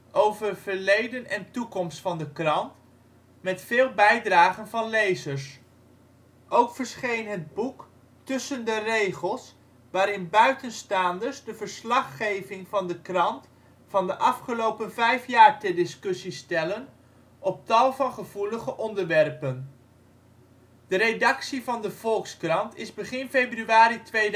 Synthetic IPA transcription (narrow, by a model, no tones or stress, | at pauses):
ʔowvəv̥əɹlejdənɛntukɔmstfɑndəkrɑnt | mɛtfɪːlˠbɛjdraːχənvɑnlejzəɹs | ʔowkfəɹsχejnɦəd̚buk | tɵsəndərejχəlˠs | ʋaːɾɪnbœɥtənstaːndəɹsdəvəɹslɑχːejvɪŋvɑndəkrɑnt | fɑndəʔɑfχəlowpənvɛjfjaːɹtɛdɪskɵsistɛlən | ɔp̚tɑlˠvɑnχəv̥uləχəʔɔndəɹʋɛrpən | d̥əɾedɑksivɑndəv̥ɔlˠkskrɑntɪzbəχɪnfejbryaːɾitʋej